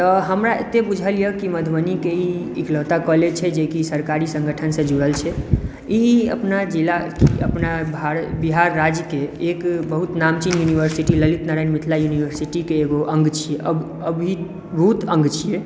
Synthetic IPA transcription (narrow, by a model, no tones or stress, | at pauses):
t̪ɔɦəmɾaḛt̪ebud͡ʒʱəlijəkiməd̪ʱbənikeiiklət̪akɔlet͡ʃʰɛd͡ʒekisəɾkaɾisə̃ŋɡəʈʰənsə̃d͡ʒuɽəlt͡ʃʰɛ | iɦiə̰pnad͡ʒilakiə̰pnabaɾbiɦaɾːad͡ʒkeekbəɦut̪namt͡ʃinjunibəɾsiʈiləlit̪naɾaɪnmit̪ʰlajunibəɾsiʈikeːɡoʔəŋɡt͡ʃʰijeʔəb | əbʱi | bəɦut̪ə̃ŋɡt͡ʃʰije